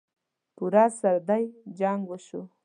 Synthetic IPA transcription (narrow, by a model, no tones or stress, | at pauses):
puɾasaɾd̪ajd͡ʒaŋɡwəʃu